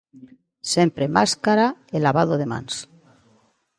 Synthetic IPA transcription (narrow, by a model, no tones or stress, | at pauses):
se̞mpɾemaskaɾaelaβaðoðe̞mã̰ns